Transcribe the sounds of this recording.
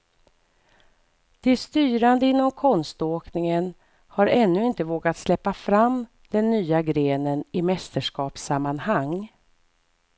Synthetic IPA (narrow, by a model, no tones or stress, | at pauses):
d̪̥ɪst̪yːɾand̪əɪnːɔmkʰɔnst̪oːknɪŋən | haɾɛnːɵɪnt̪əvoːɡat̪slɛpːafɾam | d̪̥ɛnːyːaɡɾeːnənɪmɛst̪əʂkɑːpsamːanhaŋː